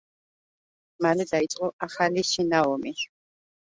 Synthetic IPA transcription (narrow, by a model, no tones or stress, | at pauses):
malɛd̪ait̪sʼqʼɔaχaliʃinaɔmi